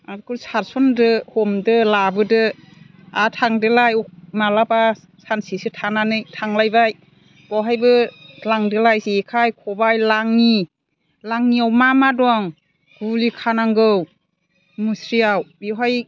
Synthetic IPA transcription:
adkɯsaɾsɔndɯhɔmdɯlabɯdɯ | atʰaŋdɯlajɔk̚malapa | sansisɯtʰananɯjtʰaŋlajbaj | bɔɦajbɯlaŋdɯlajsekʰajkʰɔbajlaŋni | laŋniawmamadɔaŋ | ɡulikʰanaŋɡɯw | musɾiawbiɦaj

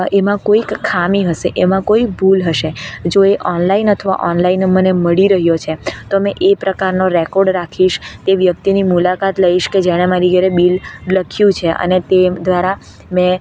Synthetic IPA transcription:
emãkoikkʰːamiɦəʃeʔemãkoik̚bʱulɦəʃed͡ʒoeʔɔnlainət̪ʰəʋa̰ʔɔnlainməneməɭiɾəɦjot͡ʃʰet̪omẽʔepɾəkaɾnoɾekɔɾɖɾakʰiʃt̪eʋjək̚t̪inimulakat̪ləiʃked͡ʒɛɽ̃emãɾiɡɛɾebilləkʰjũt͡ʃʰeʔə̰net̪ed̪ʋaɾa | mɛ̃

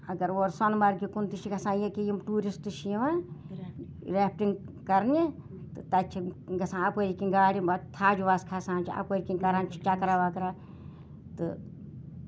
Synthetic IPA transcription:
ɐɡɐɾoːɾsonmɐɾɡikunt̪it͡ʃʰiɡɐsãːjekijimʈuːɾist̪ɨt͡ʃʰijiʋaː | ɾeːpʰʈiŋɡ | kɐɾnʲi | t̪ɨt̪ɐt͡ʃʰiɡɐsãːɐpəɾikiŋɡaːɽʲimbat̪ʰaːd͡ʒuʋaːskʰasãːnt͡ʃʰiɐ̰pəːɾʲikiŋkɐɾaːnt͡ʃʰi̥t͡ʃɐkɾaːʋakɾaː | t̪ɨ

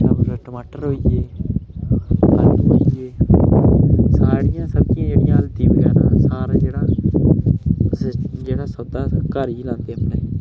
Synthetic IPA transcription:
əbɾʈəmaːʈəɾɦoːieː | əlɦoːijeː | saːɽɪjãːsət̪ɪjãːd͡ʒeːɽɪjãːlt̪ĩːbəɡɛːɾã̰ːsaːɾd͡ʒeːɽãː | d͡ʒeːɽaːsəd̪aːkaːɾiːlãːnd̪eːmneː

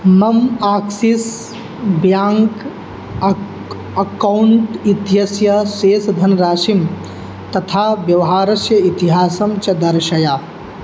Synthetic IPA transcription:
mɐmaːksis | bjaːŋk | ɐkɐwuɳʈit̪iɦɐsjɐseːsd̪ʱɐnɾaːʃim | t̪ɐt̪ʰaːbjɐʋɐɦaːɾɐsjɐit̪iɦaːsɐmt͡ʃɐd̪ɐɾʃɐjaː

